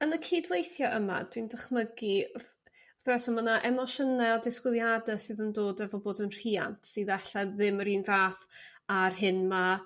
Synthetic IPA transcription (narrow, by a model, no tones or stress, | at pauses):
ənəkʰiːdwejθjɔʔəma̰d̥windəχməɡi | rθɛsɔmənaʔɛmɔʃənɛɔdɪskwɪðˠjadɛsɨːðəndoːdɛvɔboːdənr̥iːa̰ntʰsɨðaɬaðɪməɾiːnvaːθ | arɦɪnma